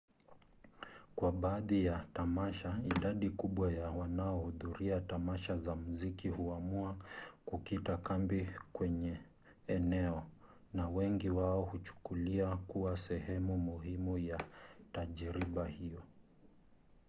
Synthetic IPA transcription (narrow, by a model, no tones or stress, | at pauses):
kwaɓaːðijatamaʃaiɗaɗikuɓwajawanaɔhuðuɾiatamaʃazamuzikihuamuakukitakambikwɛɲɛ | ɛnɛɔ | nawɛŋɡiwaɔhut͡ʃu̥kuliakuwasɛhɛmumuhimujataʄɾiɓahijɔ